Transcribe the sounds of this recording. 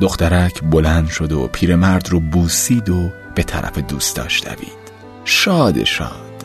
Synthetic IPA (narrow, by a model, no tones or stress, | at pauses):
d̪o̞xt̪æɾæcʰbo̞lænd̪ʃo̞d̪o̰pʰiːɾe̞mæɾd̪roːbuːsiːd̪ob̥e̞t̪ʰæ̰ɾʔæ̰fe̞d̪uːst̪ɒ̰ːʃd̪æ̰viːd̪̥ | ʃɒːd̪e̞̰ʃɒ̰ːd̪̥